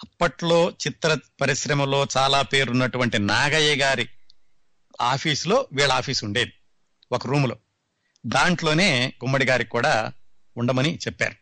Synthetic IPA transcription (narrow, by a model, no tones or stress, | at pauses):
ɐpːɐʈlo̞ːt͡ʃit̪ɾɐpɐɾiʃɾɐmɐlo̞ːt͡ʃaːlaːpe̞ːɾunːɐʈuʋɐɳʈinaːɡɐjɐɡaːɾi | aːpʰiːslo̞ːʋiːɭɐaːpʰiːsuɳɖe̞ːd̪i | okɐɾuːmloː | d̪aːɳʈlo̞ːne̞ːɡumːɐɽiɡaːɾikuːɽaː | uɳɖɐmɐnit͡ʃɛpːa̰ːɾu